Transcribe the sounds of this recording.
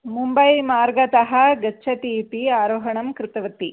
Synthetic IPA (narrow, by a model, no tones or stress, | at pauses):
mumbɐjmaːɾɡɐt̪ɐɦɐɡɐːʃʰɐt̪iːpiaːɾoːɦɐɳɐmkɾɪt̪ɐʋɐt̪ːi